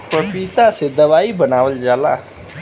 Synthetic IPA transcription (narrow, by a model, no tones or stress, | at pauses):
pɾɐpiːt̪ased̪ɐʋaːibɐnaːʋəld͡ʒaːla̰ː